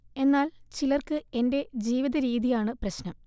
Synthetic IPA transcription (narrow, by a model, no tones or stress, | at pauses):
e̞nːaːlt͡ɕilɐrkɨe̞nde̞d͡ʑiːʋiðɐɾiːðijaːɳɨprɐɕnɐm